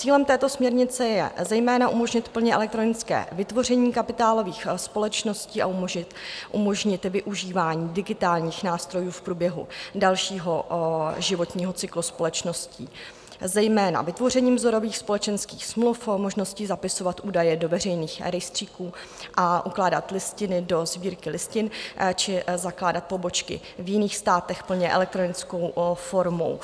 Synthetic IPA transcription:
t͡siːlɛmt̪ɛːt̪o̞smɲɛɾɲɪt͡sɛjɛ̰zɛjmɛːnaʔumo̞ʒɲɪt̪pl̩ɲɛʔɛ̰lɛk̚t̪ɾo̞nɪt͡skɛ̰ːvɪt̪vo̞r̝ɛɲiːkapɪt̪aːlo̞viːxspo̞lɛt͡ʃno̞sciːa̰umɪʔumo̞ʒɲɪt̪vɪʔuʒiːvaːɲiːdɪɡɪt̪aːlɲiːxnaːst̪ɾo̞juːfpɾuːbjɛɦṵdalʃiːɦoʒɪvo̞t̪ɲiːɦot͡sɪkluspo̞lɛt͡ʃno̞scḭː | zɛjmɛːna̰vɪt̪vo̞r̝ɛɲiːmzo̞ɾo̞viːxspo̞lɛt͡ʃɛnskiːxsmlufmo̞ʒno̞scɪzapɪso̞vat̪ʔuːdajɛdo̞vɛr̝ɛjniːxɾɛjst̪r̥iːkuː | ʔaʔuklaːda̰t̪lɪscɪnɪdo̞zbiːɾkɪlɪscɪnt͡ʃɪzaklaːdat̪̚po̞bo̞t͡ʃkɪ̰ | vjɪniːxst̪aːt̪ɛxpl̩ɲɛʔɛ̰lɛk̚t̪ɾo̞nɪt͡sko̞wfo̞ɾmo̞̰w

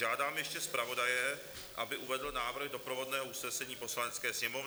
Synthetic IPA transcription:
aːdaːmjɛʃcɛspɾavo̞dajɛ | ʔa̰bɪʔuvɛdl̩naːvr̩ɣdo̞pɾovo̞dnɛːɦoʔusnɛsɛɲiːpo̞slanɛt͡skɛːsɲɛmov

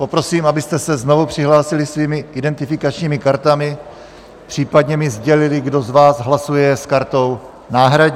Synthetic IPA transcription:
po̞pɾo̞siːmabɪst̪ɛsɛzno̞vupr̝̥ɪɦlaːsɪlɪsviːmɪʔɪdɛnt̪ɪfɪkat͡ʃɲiːmɪkaɾt̪amɪ | pr̝̥iːpadɲɛmɪzɟɛlɪlɪɡdo̞zvaːzɦlasujɛskaɾt̪o̞w | naːɦɾaɟ

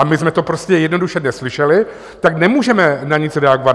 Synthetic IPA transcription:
amɪsmɛt̪o̞pɾo̞scɛjɛdnoduʃɛnɛslɪʃɛlɪ | t̪aknɛmuːʒɛmɛnaɲɪt͡sɾɛaɡova

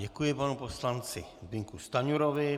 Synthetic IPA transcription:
ɟɛkujɪpanupo̞slant͡sɪzbɪŋkust̪aɲuɾovɪ

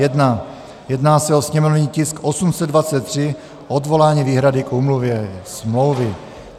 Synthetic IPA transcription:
ɛdna | jɛdnaːsɛo̞sɲɛmo̞vɲiːcɪskʔosumsɛd̪̚dvat͡sɛt̪̚ːr̝̥ɪ | ʔod̪vo̞laːɲiːviːɦɾadɪkuːmluvjɛsmlo̞wvɪ

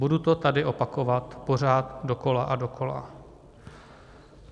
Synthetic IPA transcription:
budut̪o̞t̪adɪʔo̞pako̞vat̪po̞r̝aːt̪do̞ko̞laʔado̞kʰo̞la̰

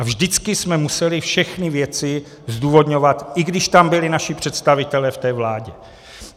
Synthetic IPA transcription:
avʒdɪt͡skɪsmɛmusɛlɪfʃɛxnɪvjɛt͡sɪ | zd̪uːvo̞d̪ɲovat̪ʔɪɡdɪʃt̪ambɪlɪnaʃɪpr̥ɛt̪st̪avɪt̪ɛlɛːft̪ɛːvlaːɟɛ

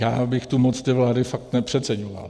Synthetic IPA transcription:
jaːbɪxt̪umot͡st̪ɪvlaːdɪfak̚t̪nɛpr̝̥ɛt̪t͡sɛɲova̰l

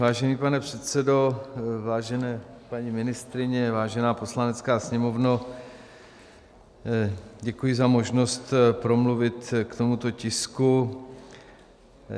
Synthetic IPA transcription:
vaːʒɛniːpanɛpr̥ɛt̪sɛdo̞vaːʒɛnɛːpaɲimɪnɪst̪ɾɪɲɛvaːʒɛnaːpo̞slanɛt͡skaːsɲɛmo̞vno | ɟɛkujɪzamo̞ʒno̞st̪pɾo̞mluvɪt̪kt̪o̞mut̪o̞cɪsku

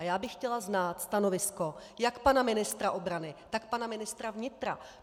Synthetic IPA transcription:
jaːbɪxcɛlaznaːt̪st̪ano̞vɪsko̞jakpanamɪnɪst̪ɾaʔo̞bɾanɪt̪akpanamɪnɪst̪ɾavɲɪt̪ɾa̰

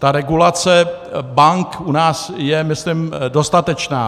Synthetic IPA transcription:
t̪aɾɛɡulat͡sɛ | baŋkunaːsjɛmɪslɪmdo̞st̪at̪ɛt͡ʃnaː

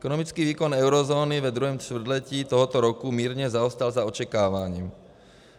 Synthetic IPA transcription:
ɛkɔnɔmit͡skiːʋiːkɔnɛʊɾɔzɔːniʋɛd̪ɾuɦɛmt͡ʃ̪ʋr̩d̪lɛciːt̪ɔɦɔt̪ɔɾɔkumiːɾɲɛzaɔst̪alzaɔt͡ʃɛkaːʋaɲiːm

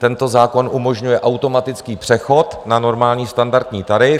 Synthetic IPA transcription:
t̪ɛnt̪o̞zaːko̞nʔumo̞ʒɲujɛʔawt̪o̞mat̪ɪt͡skiːpr̥ɛxo̞t̪nano̞ɾmaːlɲiːst̪andaɾt̪ɲiːt̪aɾɪ

